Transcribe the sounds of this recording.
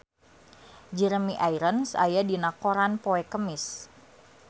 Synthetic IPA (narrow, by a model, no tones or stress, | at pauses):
d͡ʒəɾəmiʔaiɾənsa̰jadinakoɾanpoɛkəmɪs